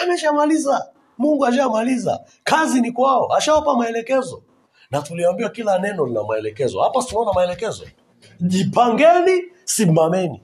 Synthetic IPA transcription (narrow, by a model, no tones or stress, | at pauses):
amɛʃamaliza | muŋɡuaʃ̬amaliza̰ | kazinikwaɔʔaʃawapamaɛlɛkɛzɔ | natuliambiwakilanɛnɔlina̰maɛlɛkɛzɔ̰hapastunaɔnamaɛlɛkɛzɔ̰ | ʄipaŋɡɛni | simamɛni